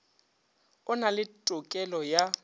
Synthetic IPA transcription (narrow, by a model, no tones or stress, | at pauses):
ʊnalɪtʼʊkʼɛlɔja